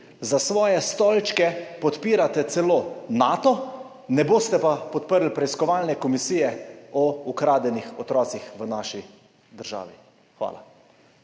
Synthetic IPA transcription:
zasʋɔːjɛst̪ɔlt͡ʃkɛpɔt̪piːɾat̪ɛt̪sɛloːnaːt̪ɔ | nɛboːst̪ɛpapɔt̪pəɾlpɾɛiskɔʋaːlnɛkɔmisiːjɛɔukɾaːd̪ɛnixɔt̪ɾɔːt̪sixʋənaːʃi | d̪əɾʒa̰ːʋi | xʋa̰ːla̰

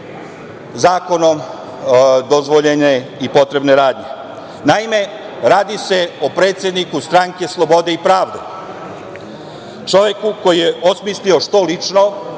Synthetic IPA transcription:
zaːko̞no̞m | d̪ozʋoʎeneipo̞t̪ɾe̞bne̞ɾaːd̪ɲe̞ | naime̞ | ɾaːd̪ise̞opɾeːt̪sje̞d̪nikust̪ɾaŋke̞slˠo̞bo̞d̪e̞ipɾaːʋd̪e | t͡ʃo̞ʋjekuko̞jijeosmislio̞ʃt̪o̞lit͡ʂno

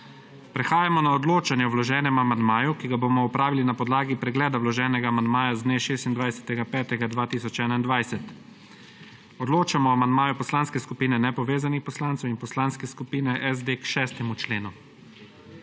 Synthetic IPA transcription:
pɾɛxaːjamɔnaɔd̪loːt͡ʃanjɛwlɔʒɛːnɛmamand̪maːjukiɡaboːmɔɔpɾaːʋilinapɔd̪laːɡipɾɛɡlɛːd̪awlɔʒɛːnɛɡaːmand̪maːjazd̪neːʃeːst̪ind̪ʋajsɛ̥t̪ɛɡapɛːt̪ɛɡad̪ʋaːt̪isɔt͡ʃɛːnaind̪ʋajsɛt̪ | ɔd̪loːt͡ʃamɔamand̪maːjupɔslanskɛskupiːnɛnɛpɔʋeːzanixpɔslaːnt̪sɛwinpɔslaːnskɛskupiːnɛʔɛzd̪eːkʃɛːst̪ɛmut͡ʃleːnu

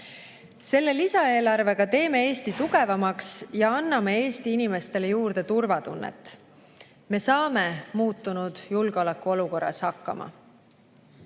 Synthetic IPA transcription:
se̞lːe̞lisɑe̞ːlɑrve̞ɡ̥ɑt̪e̞ːme̞e̞ːst̪it̪uɡ̥e̞vɑmɑksjɑɑnːɑmee̞ːst̪iinime̞st̪e̞le̞juːrd̪̥e̞t̪urvɑt̪unːḛt̪ːˑ | me̞sɑːme̞muːt̪ːunud̪̥julɡ̥eo̞lekːˑuo̞luko̞rːɑ̰shɑkˑːɑ̰mʔɑ̰

